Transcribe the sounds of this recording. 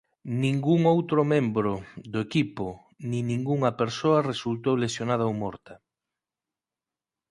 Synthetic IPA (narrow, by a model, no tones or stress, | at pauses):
nĩŋɡuŋowt̪ɾʊmẽmbɾoðʊekipo | nĩnĩŋɡuŋɐpeɾsoɐresult̪owlesjonað̞ɐowmɔɾt̪ɐ